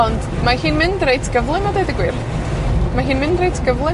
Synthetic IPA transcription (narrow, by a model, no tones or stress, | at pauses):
ɔnd̥ | mahiːnmɪndrejtʰɡ̥əvlˠɨnɔdejðəɡwɪrθ | maɦiːnmɪndrejtʰɡ̥əvlˠɨ